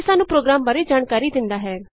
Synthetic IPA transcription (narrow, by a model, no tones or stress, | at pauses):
saːnũːpɾoːɡɾaːmbaːɾed͡ʒaːɳkaːɾid̪ɪnd̪aːɦɛː